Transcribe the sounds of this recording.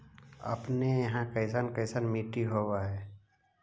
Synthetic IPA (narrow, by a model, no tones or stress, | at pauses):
ə̰pnejɐɦãkəɪsaːnkəɪsanmiːʈiɦoːwaɦɛː